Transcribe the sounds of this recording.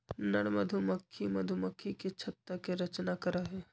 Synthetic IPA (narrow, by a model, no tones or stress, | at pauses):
nɐɽmɐd̪ʱumɐkʰːimɐd̪ʱumɐkʰːiket͡ʃʰɐt̪ːɾəkeɾɐt͡ʃnakɐɾaɦɛː